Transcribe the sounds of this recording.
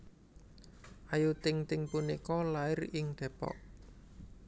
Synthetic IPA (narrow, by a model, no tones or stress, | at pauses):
ʔajut̪ɪŋt̪ɪŋpunikɔlaɪrɪŋd̪̥ɛ̤pɔ̰ʔ